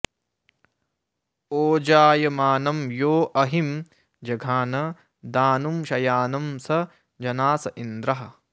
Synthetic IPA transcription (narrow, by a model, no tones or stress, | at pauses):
oːd͡ʒaːjɐmaːnɐmjoːʔɐɦim | d͡ʒɐɡʱaːnɐ | d̪aːnumʃɐjaːnɐmsɐ | d͡ʒɐnaːsɐʔind̪ɾɐɦɐ̆